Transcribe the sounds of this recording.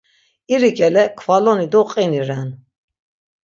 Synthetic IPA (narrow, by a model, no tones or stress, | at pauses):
iɾiɡʼɛlɛkʰvalɔnid̪ɔqʼiniɾɛn